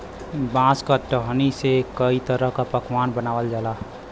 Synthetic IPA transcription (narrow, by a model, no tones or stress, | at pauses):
bãskəʈəɦənisekəit̪əɾəɦkapəkʰwanbənawəld͡ʒala